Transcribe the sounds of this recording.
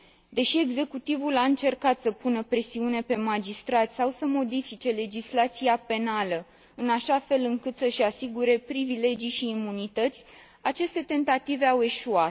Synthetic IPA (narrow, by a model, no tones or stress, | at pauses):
d̪e̞ʃie̞ɡze̞kut̪ivulaɨnt͡ʃe̞rkat̪səpunəpɾe̞siune̞pe̞mad͡ʒist̪ɾat̪ʲsawsəmo̞d̪ifit͡ʃe̞le̞d͡ʒislat̪siape̞nalə | ɨnaʃafe̞lɨŋkɨt̪səʃasiɡuɾe̞pɾivile̞d͡ʒijʃiːmunit̪ət̪sʲ | at͡ʃe̞st̪e̞t̪e̞nt̪at̪ive̞awe̞ʃuat̪